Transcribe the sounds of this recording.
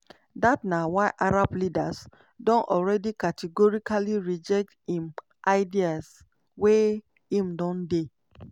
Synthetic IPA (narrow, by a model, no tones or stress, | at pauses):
datnawaɪʔaɾablidas | dɔ̃nʔɔlɹɛdikatʰiɡɔɹikaliɹid͡ʒɛk̚thĩm | ʔaɪdias | we | hĩmdɔ̃nde